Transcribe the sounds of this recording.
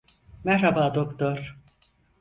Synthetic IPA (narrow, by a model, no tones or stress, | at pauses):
mæɾɾhabaːd̪okt̪oɾ